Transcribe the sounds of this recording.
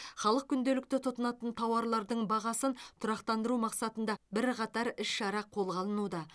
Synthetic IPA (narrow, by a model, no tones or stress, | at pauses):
χɑlˠəq̚kʲʰʏnd̪e̞lɪk̚t̪ɪt̪ʰʊt̪ənɑt̪ənt̪ʰɑwɑɾlˠɑɾd̪əɴbɑʁɑsənt̪ʰʊɾɑqt̪ɑnd̪əɾumɑqsɑt̪ənd̪ɑbɪɾqʰɑt̪ɑɾɪʃʃɑɾɑqʰo̞lˠʁɑlˠənud̪ɑ